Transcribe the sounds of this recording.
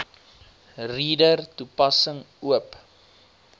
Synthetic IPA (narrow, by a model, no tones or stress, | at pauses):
riːdərtupɐsəŋ | uəp